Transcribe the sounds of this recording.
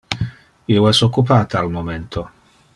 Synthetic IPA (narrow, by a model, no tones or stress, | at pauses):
ioɛsokːupaːt̪aːlmoment̪ʰo